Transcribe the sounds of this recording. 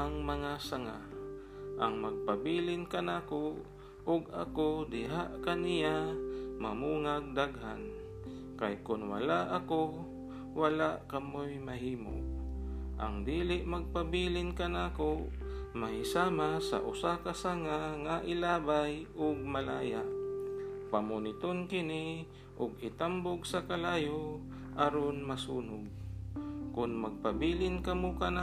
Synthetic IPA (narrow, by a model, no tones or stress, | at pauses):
ɐŋmɐŋasaŋa̰ | ʔɐŋmɐɡ̚pɐbiːlɪnkɐnako | ʔʊɡɐ̰kod̪ɪɦaʔkanɪjamamuːŋaɡ̚d̪aɡɦa̰n | kajkʊnwa̰laʔɐko | wɐlaʔkɐmojmɐɦiːmo̰ʔʔɐ̰ŋd̪iːlɪʔmɐɡ̚pɐbiːlɪnkɐnaːko | mɐhɪsaːmasɐ̰ʔʊsakasaŋaŋaʔɪlaːbajʔʊɡ̚mala̰ːjaʔ | pamʊnɪt̪onkɪnɪ | ʔʊɡɪt̪ambʊɡsɐkalaːjo | ʔaɾonmɐsuːnʊɡ̚ | kʊnmɐɡ̚pɐbiːlɪnkɐmokɐna